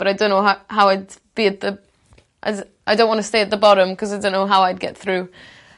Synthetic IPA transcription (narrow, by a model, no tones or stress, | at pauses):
b̥ʌɾaɪdõnːoʊɦahawaɪdb̥iːd̪̚ðə | ʔa̰ɪ | ʔaɪdõnʔwɔ̃ntʰəsteɪət̪̚ðəbɔɾə̃mkʰʌzajdõʊ̃nːoʊɦawaɪd̚ɡɛ̰t̪θɹuː